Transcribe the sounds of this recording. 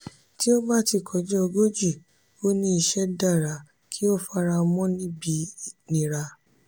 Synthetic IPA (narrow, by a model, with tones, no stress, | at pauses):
ti˦o˦ba˦˨ti˦˨kʰɔ˨d͡ʒɛ˦o˧ɡo˦d͡ʒi˦˨ | o˦nĩ˦i˧ʃɛ˦da˦˨ɾa˨˦ | kʰi˦o˦˨fa˦˧˦ɾa˧mɔ̃˦nĩ˦bi˧nĩ˨ɾa˧